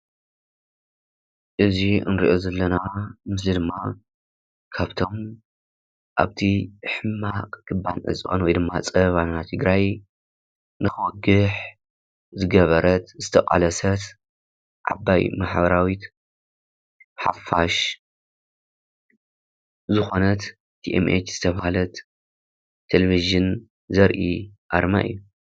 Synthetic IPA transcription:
ʔɨziɨ̰nɾḭʔo̞zɐlːɐnamɨszid̪ɨmːa | kʰaβt̪ʰo̞m | ʔa̰βt̪ʰiħɨmːakʼkʰɨbːanʕɨ̰t͡sʼʔʼonwɔjd̪ɨmːat͡sʼɐβannat̪ʰɨɡɾaj | nɨxɨwɔɡɨħ | zɨɡɐβɐɾɐt̪zɨt̪ʰɐkʼa̰lɐsɐt̪ | ʕa̰ba̰jmaħbɐɾawit̪ | mħa̰faʃ | zɨxo̞nɐt̪ | t̪ʰiʔemʔḛt͡ʃz̥ɨt̪ʰɐβahalɐt̪ːʰ | eleviʒɨn | zɐɾʔiʔaɾma̰ʔɨ̰jːu

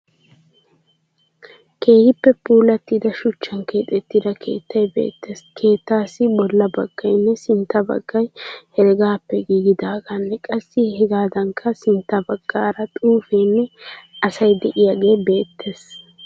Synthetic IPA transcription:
ke̞ːhɪpːɛpuːlɐt̪ːɪd̪ɐʃʊt͡ʃːɐnke̞ːt̪ʼɛt̪ːɪd̪ɐkʰe̞̰ːt̪ːɐjbe̞̰ːt̪ːeːskʰe̞ːt̪ːaːsɪbɔlːɐbɐɡ̥ːɐjnːɛsɪnt̪ːɐbɐ̰ɡ̥ːɐjhɛɾɡaːpːɛɡiːɡɪd̪aːɡanːɛkʼɐsːɪhɛɡaːd̪ɐŋkʰɐsɪnt̪ːɐbɐɡ̥ːaːɾɐt̪ʼuːfejnːɛɐsɐjd̪ɛʔɪjaːɡe̞ːbe̞ːt̪ːe̞ːs

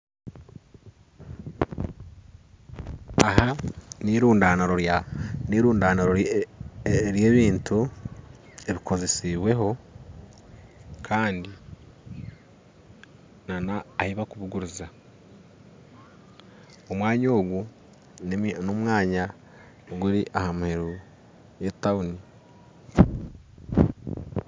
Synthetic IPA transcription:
aɦaniɾuːndaːnaɾojaniːɾuːndaːnaɾo | ɾje̞ːβiːntu | e̞βikʰo̞ze̞siβwe̞ɦo̞ | kʰaːndi | nanaːhiβakuβuɡuɾuza | omwaːɲo̞ːɡu | nomwaːɲa | ɡuɾiʔahamuhe̞ɾu | jetauni

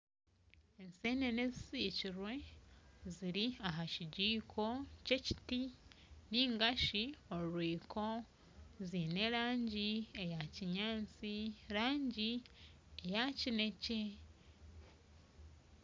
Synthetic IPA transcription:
ensenenezisiːciɾwe̞ | ziɾiaɦaciɟiːkʰo̞ce̞ci̥tiniːŋɡaʃioɾuɾwiːkʰo̞ | ziːne̞ɾaːɲɟie̞jaciɲaːnt͡siɾaːɲɟi | ejacine̞ce

